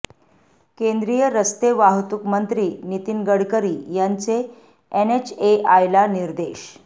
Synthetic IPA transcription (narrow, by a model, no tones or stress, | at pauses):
kend̪ɾijəɾəst̪eʋaɦt̪ukmənt̪ɾiːnit̪inɡəɽkəɾiːjaɲt͡se | enet͡ɕeʔajlaniɾd̪eɕ